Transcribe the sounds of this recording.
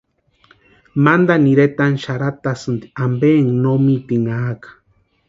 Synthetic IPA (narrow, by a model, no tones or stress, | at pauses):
mand̪aniɾet̪anʃaɾat̪asɨnd̪iambeŋnomit̪iŋaːkḁ